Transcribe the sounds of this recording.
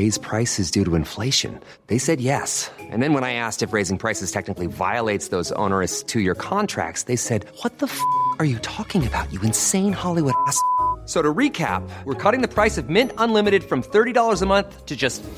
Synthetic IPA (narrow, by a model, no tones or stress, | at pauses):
eɪz̥pʰɹ̥aɪsɨzdʉɾəɨ̃ɱfleɪʃɨ̰̃n | ðeɪsɛd̚jɛsʔɨ̰̃nðɨ̃nwə̃naɪæstɨfɹeɪzɪ̃ŋpʰɹ̥aɪsɨz̥tʰɛk̚nɨkliva̰ɪəlˠeɪtsðoʊzõ̰ʊ̃nə˞ɨstʰɨjə˞kʰɑ̃ntʰɹ̥æ̰k̚tsðeɪsɛd̚wʌt̪̚ðəfə˞jɨtʰɔkɪ̃ŋɨbaʊt͡ʃɨɨ̃nsẽɪ̃nhɑlˠiwʊɾæssoʊɾɨɹikʰæ̰p̚wəɹkʰʌɾɪ̃ŋðɨpʰɹ̥aɪsʌvmɪ̃ntə̃nlɪ̃mɨɾɨd̥fɹʌ̃mθɜ˞ɾiɾɔlˠə˞zəmʌ̃nθtʰɨd͡ʒʌst